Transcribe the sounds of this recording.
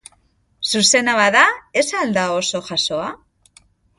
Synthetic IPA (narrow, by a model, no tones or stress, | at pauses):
suse̞naβaðae̞sald̪ao̞so̞ʝaso̞a